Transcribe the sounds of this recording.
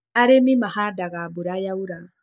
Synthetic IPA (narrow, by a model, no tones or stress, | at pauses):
aɾemimahadaɣabuɾajauɾa